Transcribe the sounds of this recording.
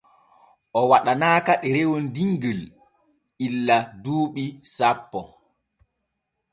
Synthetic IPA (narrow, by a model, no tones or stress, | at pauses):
ʔɔwaɗanaːkaɗɛɾewɔndiŋɡəl | ilːaduːɓisapːɔ